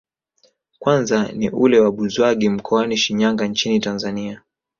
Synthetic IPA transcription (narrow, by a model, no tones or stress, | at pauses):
kwanzaniʔulɛwaɓuzwaɠim̩kʰɔaniʃiɲaŋɡaɲt͡ʃinitanzania